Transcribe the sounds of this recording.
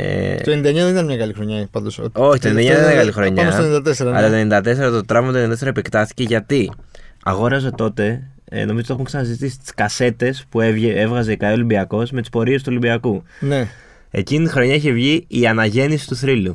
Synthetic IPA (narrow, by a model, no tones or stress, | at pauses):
ḛt̪oenind̪ɐeɲɐðeit̪ɐnmɲɐkɐlixɾoɲɐpɐnd̪oso̞çit̪ond̪eɲɐeɐɣɐlixɾo̞ɲɐɐosenid̪ɐt̪eseɾɐɐlɐtt̪enid̪ɐt̪e̞s̬e̞ɾɐt̪ot̪ɾɐvmɐt̪onid̪t̪eseɾɐepekt̪ɐθi̥ce̞ʝɐt̪iɐ̰ɣo̞ɾɐzot̪o̞t̪e̞̰ | no̞mizot̪o̞uŋksɐnɐsizit̪isi̥t̪i̥skɐse̞t̪e̞spuevʝee̞vɣɐze̞kɐio̞limbiɐko̞smet̪ispo̞ɾies̬t̪uo̞limbiɐkune | e̞̰ciniixɾo̞ɲɐiçe̞vʝiiɐnɐʝe̞nisi̥t̪uθɾilu